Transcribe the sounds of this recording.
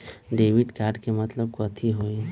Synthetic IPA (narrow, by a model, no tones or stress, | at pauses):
ɖeːʋɪɖkaːɾɖkemɐt̪ləb̚kɔːt̪ʰiɦoːi